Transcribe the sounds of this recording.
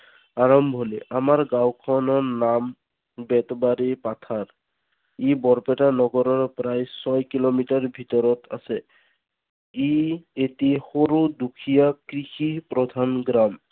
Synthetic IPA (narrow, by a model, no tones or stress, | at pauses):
aɹɔmbʱɦɔleʔamaɹɡawkʰɔnɔɹnam | bɛtɔbaɹipatʰaɹ | ibɔɹpɛtanɔɡɔɾɔɹpɾajsɔjkilomitaɹbʱitɔɹɔtʰa̰sɛ | ietihoɹudukʰijakɹixipɹɔd̪ʱanɡɾam